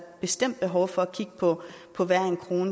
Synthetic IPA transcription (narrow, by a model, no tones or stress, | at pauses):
b̥e̝sd̥em̰d̥b̥e̝ɦɒʊfɒ̽ækʰiɡ̥̚əpʰɔ̽ | pʰɒ̽ʋæɐ̰enkʰʁo̝ːnə